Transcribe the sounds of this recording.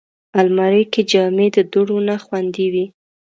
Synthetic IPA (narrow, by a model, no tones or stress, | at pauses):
almaɾəjked͡ʒɑmed̪əd̪ʊɽonaxwand̪iwi